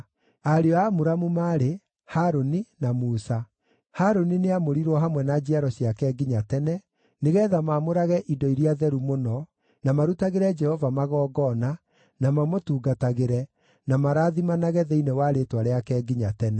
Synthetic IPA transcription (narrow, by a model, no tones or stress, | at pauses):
aɾeɔamoɾamumaːɾe | haɾoninamuːsa | haːɾonineamoɾiɾwɔɦamwɛnad͡ʒiaɾɔɕjakɛɡiɲatɛnɛ | neɣɛːðamamoɾaɣɛʔidɔiɾiaðɛɾumonɔ | namaɾutaɣeɾɛd͡ʒɛhɔvamaɣɔːɡɔna | namamotuːɡataɣeɾɛ | namaɾaːðimanaɣɛðeinɛwaɾetwaɾeakɛːɡiɲatɛnɛ